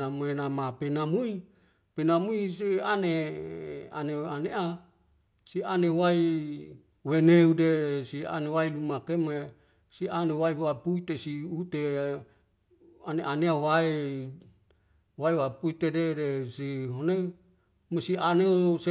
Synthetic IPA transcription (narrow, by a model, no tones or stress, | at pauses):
amenamapenamui | penamuisiane | a̰neaneʔa | sianewai | weneudesia̰newailumakeme | sianewaiapuit̪esiut̪e | aneʔaneawae | waewapuit̪ededesiɦone | mesianeose